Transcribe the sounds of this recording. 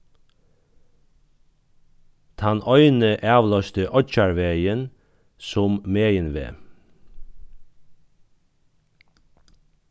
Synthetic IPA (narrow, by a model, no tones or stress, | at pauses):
t̪ʰɑnœʏnəʔæːʋlɑʃt̪əʔɔc͡çɑɹʋeɪən | sʊmmeːənʋḛː